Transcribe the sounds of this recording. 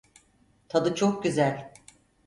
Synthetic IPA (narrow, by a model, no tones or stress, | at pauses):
t̪ʰad̪ɯt͡ʃʰok̚ɟyzælʲ